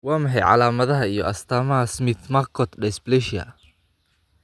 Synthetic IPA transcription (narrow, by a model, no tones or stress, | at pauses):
wɑːmɐħɛjʕɑ̰laːmɐðɐɦɐijɔʔɐst̪ʰaːmɐɦɐsmɪt̪markʰɔt̪ɖɛsblɛʃɐ̰